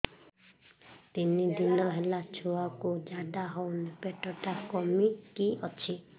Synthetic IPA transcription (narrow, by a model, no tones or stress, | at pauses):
t̪inid̪inɔɦelat͡ʃʰuakud͡ʒaɖaɦɔwnepeʈɔʈakɔmikiɔt͡ʃʰi